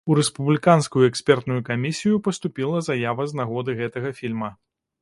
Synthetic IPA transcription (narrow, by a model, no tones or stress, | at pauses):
uɾɛspublʲikanskujuɛksʲpʲɛrt̪nujukamʲisʲijupɐst̪upʲilˠɐzajavɐznaɣɔd̪ɨɣɛt̪ɐɣɐfʲilʲmɐ